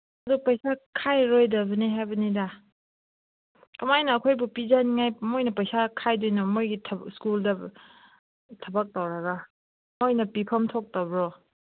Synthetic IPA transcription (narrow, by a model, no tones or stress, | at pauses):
ɐdupɐjsakʰajɾojdɐβɐniɦajbɐnida | kɐmajnɐːkʰojbupizanŋajmojnɐpɐjsakʰajdojnɔmojɡitʰskuldɐ | tʰɐbak̚tawɾaɡa | mojnɐpipʰɐmtʰok̚tawbɾɔ